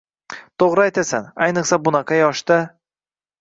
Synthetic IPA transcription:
t̪ʰoʁɾɨajt̪ʰasanajnɨqsabʊnaqʰɑjɒʃt̪a

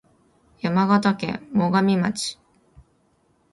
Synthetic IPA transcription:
jamaɡat̪akḛ̃ːoɡamʲimat͡ɕi̥

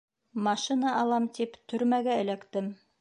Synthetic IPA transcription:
mɑʃinɑʔɑlˠɑmt̪ipt̪ʰɵ̆ɾmæɡæɘ̆lækt̪ɘm

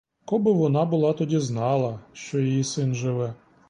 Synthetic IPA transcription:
kɔbɪʋɔnɑbʊlˠɑt̪ɔdʲiznɑlˠɐʃt͡ʃɔjɔjisɪnʒɪʋɛ

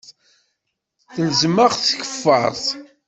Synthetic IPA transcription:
θəlzməʁθçə̥fːə̰ɾˤθ

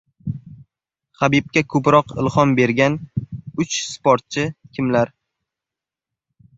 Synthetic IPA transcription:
χabib̚kʲakʰɵpɾɒqɪ̰lˠχɒnbe̞ɾɡʲanʊt͡ʃspʰoɾt̪̚t͡ʃʰɪkʲʰɪmlaɾ

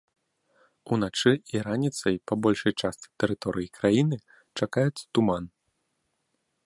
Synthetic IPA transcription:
unat͡ʂɨiɾanʲit̪sɐjpɐbɔlʲʂɐjt͡ʂast̪ʲi̥t̪ɛɾɨt̪ɔɾɨjikɾajinɨ | t͡ʂakajɛt̪sːɐ̥t̪uman

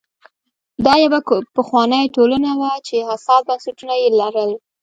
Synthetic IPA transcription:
d̪ɑjawapəxwɑnəjʈolanawat͡ʃehasɑt̪̚bansaʈunajelaɾəl

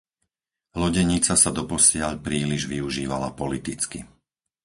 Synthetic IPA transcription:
lɔɟɛɲit͡sasad̪ɔpɔsɪaʎpɾiːliʒʋiuʒiːʋalapɔlit̪it͡ski

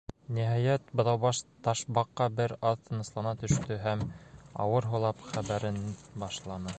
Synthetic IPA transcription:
niɦɑjæt̪bɤ̆ðɑwβɑʃt̪ɑʃbɑqːɑbɘɾɑðt̪ʰɤ̆nɤ̆slˠɑnɑt̪ɵ̆ʃt̪ɵɦæmɑ̰wɤɾɦŭlˠɑpχæβæɾɘnbɑʃlˠɑnɤ

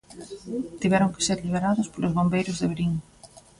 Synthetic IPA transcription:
t̪iβɛɾʊŋkɪ̥seɾliβ̞eɾaðʊspolʊzβombejɾʊzðeβɾiŋ

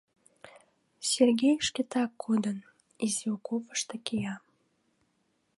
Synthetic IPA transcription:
sʲerɡʲejəʃkʲet̪ɑkːud̪ən | iziukopə̥ʃt̪ɤ̆kʲejɑ

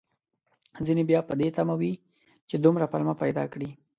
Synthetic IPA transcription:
zinebjɑpəd̪et̪amawi | t͡ʃed̪ʊmɾapalmapajd̪ɑ̰kɽi

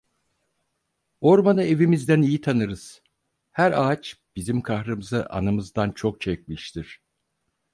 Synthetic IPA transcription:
o̞ɾmanɯe̞vimizd̪ænijit̪ʰanɯɾɯz̥ | hæɾaːt͡ʃb̥izimkʰaxɾɯmɯzaʔa̰nɯmɯzd̪ant͡ʃʰo̞k̚t͡ʃʰɛcmiʃt̪ʰiɾ̥

